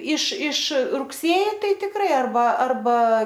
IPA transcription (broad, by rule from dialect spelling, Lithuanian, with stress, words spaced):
ɪʃ ɪʃ rʊkˈsʲeːjɪ ˈtɐɪ tʲɪkˈrɐɪ ɐrˈbɐ ɐrˈbɐ